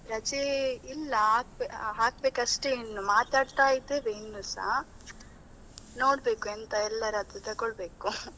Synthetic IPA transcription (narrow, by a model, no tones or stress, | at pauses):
ɾɐt͡ʃeilːɐaːk̚beɦaːk̚be̞ːkɐʂʈeinːumaːt̪aːɽt̪aːjid̪eːʋeːnːusa̰ | no̞ːɽbeːkuent̪ɐɛlːɐɾɐt̪it̪ɐɡɔɭbeːku